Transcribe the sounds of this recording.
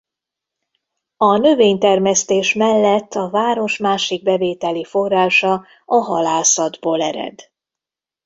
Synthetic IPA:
ɒnø̞veːɲt̪ɛrmɛst̪eːʃmɛlːɛt̪ʰːɒvaːɾo̞ʃmaːʃiɡ̚bɛveːt̪ɛlifo̞rːaːʃɒ | ɒɦɒlaːsɒd̪boːlɛɾɛ̰d̪

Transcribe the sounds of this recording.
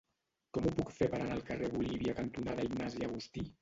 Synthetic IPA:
kɔmupukfepəɾanaəlˠkəreβuliβiəkənt̪unaðəiɡnaziaɣust̪i

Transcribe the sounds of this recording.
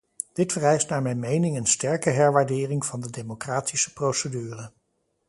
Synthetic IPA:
d̥ɪtfərɛjstnaːɹmɛjnmejnɪŋənstɛɹkəɦɛɹʋaːɹdɪːrɪŋv̥ɑndədejmokraːtʰisə̥prowsədyːrə

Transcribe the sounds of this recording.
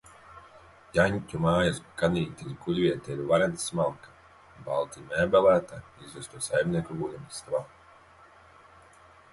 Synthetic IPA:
jaɲʲcʲumaːjaskaniːt̪ʲilʲkulʲvʲiɛt̪ʲɛiɾvaɾɛnt̪ssmalˠkḁ | balˠt̪imʲɛːbɛlæːt̪aizvust̪uɔsajmʲniɛkuɡuːd̪ɛmst̪va

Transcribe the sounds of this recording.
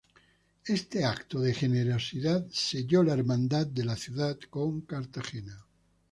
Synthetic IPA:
e̞st̪eakt̪oðexeneɾosiðat̪seʎolaeɾmãnd̪at̪̚d̪e̞laθjuðat̪koŋkaɾt̪axena

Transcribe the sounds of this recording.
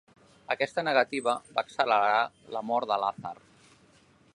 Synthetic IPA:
əkɛst̪ənəɣət̪iβ̞əbaksələɾɾa | ləmɔɾd̪əlaθə̰r

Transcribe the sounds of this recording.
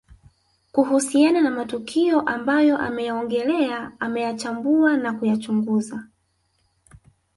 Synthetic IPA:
kuɦusiananamatukʰiɔʔambajɔʔa̰mɛjaɔŋɡɛlɛaamɛjat͡ʃambuanakujat͡ʃuŋɡuza

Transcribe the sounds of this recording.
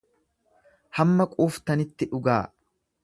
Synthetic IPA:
hɐmːɐkʼuːft̪ɐnɪt̪ːɪᶑʊɡaː

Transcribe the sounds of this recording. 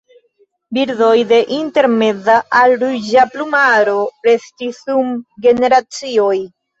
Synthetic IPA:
biɾdo̞jde̞ʔinte̞ɾme̞zaʔalɾud͡ʒaplumaɾo̞ɾe̞stisumɡe̞ne̞ɾat͡sio̞j

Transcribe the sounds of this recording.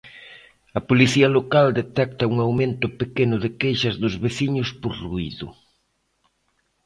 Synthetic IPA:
ɐpoliθiɐlokald̪et̪ɛk̚t̪ɐuŋawmẽnt̪ʊpekenʊðekejʃɐzðʊzβeθiɲʊspoɾruḭðʊ̰

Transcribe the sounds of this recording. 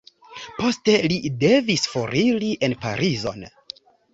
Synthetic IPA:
po̞ste̞lide̞visfo̞ɾʔiliʔe̞npa̰ɾʔizo̞̰n

